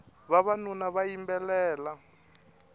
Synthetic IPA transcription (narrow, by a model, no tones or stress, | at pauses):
βaβanunaβajimbɛlɛːla